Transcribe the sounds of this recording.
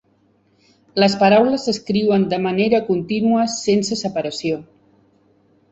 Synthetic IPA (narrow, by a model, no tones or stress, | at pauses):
ləspəɾawləzəskɾiwənd̪əməneɾəkunt̪inuəsensəsəpəɾəsio